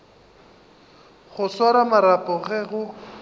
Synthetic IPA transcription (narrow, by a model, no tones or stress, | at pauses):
χʊswaɾamaɾapʼɔɣɛɣʊ